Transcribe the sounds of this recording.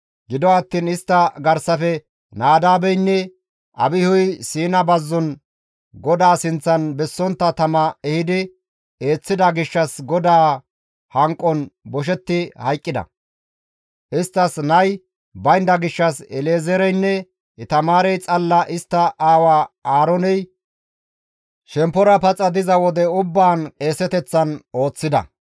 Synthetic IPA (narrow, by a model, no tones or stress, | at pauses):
ɡɪd̪ɔɐt̪ːiːnɪst̪ːɐɡɐɾsɐfɛ | naːd̪aːbɛjnːɛ | ʔɐ̰bɪhʊjsiːnɐbɐzːɔn | ɡɔd̪aːsɪnt͡sːɐnbɛsːɔnt̪ːɐt̪ɐmɐɛhɪd̪ɪ | e̞ːt͡sːɪd̪ɐɡɪʃːɐsɡɔd̪aː | hɐŋkʼːɔnbɔʃ̬ɛt̪ːɪhɐjkʼːɪd̪ɐ̰ | ʔɪst̪ːɐsnɐj | bɐjnd̪ɐɡɪʃːɐsɛleːzɛɾɛjnːɛ | ɪt̪ɐmaːɾɛjt͡sʼɐlːɐʔɪst̪ːɐʔaːwaːaːɾɔnɛj | ʃɛmpːɔɾɐpɐt͡sʼːɐd̪ɪzɐwɔd̪ɛʊbːaːnkʼe̞ːsɛt̪ɛt͡sːɐno̞ːt͡sːɪd̪ɐ̰